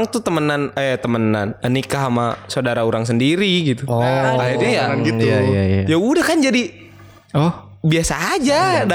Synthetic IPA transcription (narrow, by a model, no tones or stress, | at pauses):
ŋt̪ut̪əmənanəjat̪əmənanənikaɦamasaodaɾauɾaŋs̬əndiɾiɡit̪uairɲajaɾanɡit̪aajaudahkand͡ʒadi | ɔh | biasaːd͡ʒada